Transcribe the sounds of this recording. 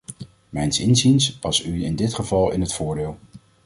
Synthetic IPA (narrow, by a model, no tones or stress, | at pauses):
mɛjnsɪnzinspɑsyɪndɪtχəvɑlˠɪnɦətfʊːɹdɪːlˠ